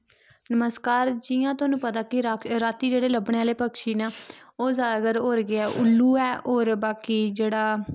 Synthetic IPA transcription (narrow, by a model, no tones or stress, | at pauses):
nəməskaːɾd͡ʒijãːt̪ʊaːnũːpət̪aːkɪɾaːt̪ːiːd͡ʒeːɽeːləbɳeːaːleːpəkʃiːnaːoːzaːɡəɾɦoːɾɡɪɛːʔʊlːuːɛːoːɾbaːkiːd͡ʒeːɽaː